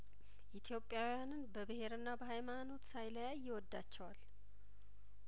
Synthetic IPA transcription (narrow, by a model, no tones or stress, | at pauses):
ʔit̪ʰjo̞pʼːjawjanɨnbəbɨhe̞ɾɨnːabəhajmano̞t̪sajlajajːɪwɔd̪ːat͡ʃːɛwal